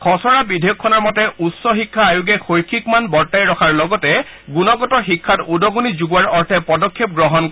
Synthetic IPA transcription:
kʰɔsɔɹabidʱejukʰːɔnɔɹmɔtɛʔutsɔxikʰːaːjuɡɛxojkʰːikmanbɔɹtajɹɔkʰaɹlɔɡɔtɛ | ɡunɔɡɔtɔxikʰːatudɔɡunizuɡuwaɹɔɹtʰɛpɔdɔkʰːep̚ɡɹɔɦɔnkɔ

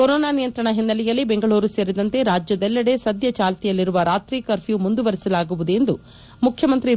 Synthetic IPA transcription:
koɾoːnaːnijɐnt̪ɾɐɳɐɦinːɐlijɐlːibeŋɡɐɭuːɾuse̞ːɾid̪ɐnt̪e̞ɾaːd͡ʒjɐd̪ɛlːɐɽe̞sɐd̪jɐt͡ʃaːlt̪ijɐlːiɾuʋɐɾaːt̪ɾiːkɐɾpʰjumund̪uʋɐɾisɐlaːɡuʋud̪ue̞nd̪u | mukʰjɐmɐnt̪ɾi

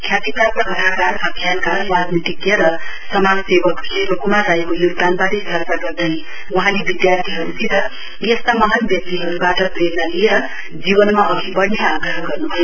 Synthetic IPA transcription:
kʰjat̪ikapʌkʌɾakarɦakʰjankawad̪nit̪ikjeɾʌ | sʌmansebʌkseɾokumaːaekojuɡd̪anbaɾist̪ʰʌrkaɡʌrd̪aj | wʌɦãlebid̪jart̪ʰiɦʌɾut̪ʰiɾʌ | jʌst̪amʌɦʌnbjʌk̚t̪iɦʌɾubaʈʌpred̪nalieɾʌ | d͡zibʌnmaʔʌɡʱibʌɽneaɡɾʌɦʌɡʌrnubʱʌj

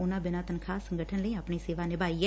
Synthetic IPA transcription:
ʊnãːbɪnãːt̪ənkʰaːsːəŋɡəʈʰənləiːaːpɳ̃iːseːʋaːnɪbʱaːiːɛː

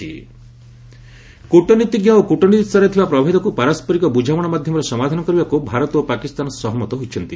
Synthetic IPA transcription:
ḭ | kuʈɔnit̪iɡjaokuʈɔnit̪ist̪ɔɾet̪ʰibapɾɔbʱɔɦid̪ɔkupaɾaspɔɾikɔbud͡ʒʱawɔɽ̃ɔmad̪ʱjɔmɔɾɔsɔmad̪ʱanɔkɔɾibakubʱaɾɔt̪opakist̪anɔsɔɦɔmɔt̪ɔɦojt͡ʃʰɔnt̪i

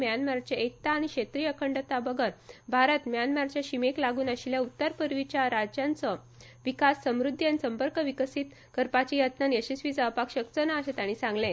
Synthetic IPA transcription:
mjanmaɾt͡ɕjaek̚t̪aːɽ̃ikɕet̪ɾiːəkʰəɳɖət̪abəɡəɾbʱaɾət̪mjanmaɾt͡ɕjaɕimeklaɡuːnəɕiljaut̪ːəɾpəɾʋit͡ɕjaɾad͡ʑjãnt͡sə | ʋikasːəmɾud̪ʱːjansəmpəɾkəʋikəsiːt̪ | kəɾpat͡ɕijət̪nanjəɕisʋid͡zapakɕəkt͡sənaːɕet̪aɽ̃isãŋɡlɛ̃t̪

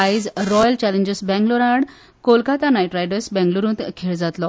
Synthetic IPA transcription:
aid͡zɾɔjəlt͡ɕælẽɲd͡ʑəsbɛ̃ŋɡloɾaɽ | kolkat̪anajʈɾajɖəsbɛ̃ŋɡluɾũːt̪kʰeɭd͡zat̪lɔ

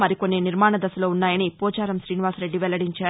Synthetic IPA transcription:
mɐɾikonːeːniɾmaːɳɐd̪ɐsɐloːunːaːjɐnipɔːd͡ʒaːɾɐmʃɾiːniʋaːsɾe̞ɖːiʋɛlːɐɽiɲt͡ʃaːɾu

